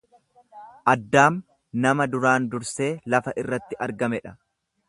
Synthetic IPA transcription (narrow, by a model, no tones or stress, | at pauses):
ʔɐd̪ːaːm | nɐmɐd̪ʊɾaːnd̪ʊɾse̞ːlɐfɐʔɪrːɐt̪ːɪʔɐɾɡɐmɛᶑɐ̥